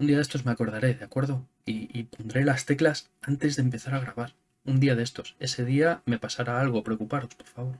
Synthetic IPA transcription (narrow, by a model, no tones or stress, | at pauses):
und̪iað̞e̞st̪omeako̞ɾð̞aɾe̞ðeakwe̞ɾð̞o | iːpo̞nd̪ɾe̞last̪e̞klas | ant̪e̞zðempe̞θaɾaɣ̞ɾaβ̞aɾ | und̪iaðe̞st̪o̞se̞se̞ðiame̞pasaɾaalɣ̞o̞pɾeokupaɾo̞spo̞ɾfaβo̞ɾ